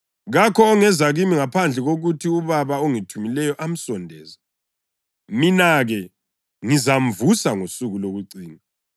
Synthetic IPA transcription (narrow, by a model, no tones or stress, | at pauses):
ɣakʰɔːŋɛzaɣimiŋapʰand͡ɮʱɛɣoɣutʰiuβaβaoŋitʰumilɛjɔʔam̩sɔndʱɛ̰ːza | minaɣɛ | ŋizam̩vusaŋosuɣuloɣuǀiːna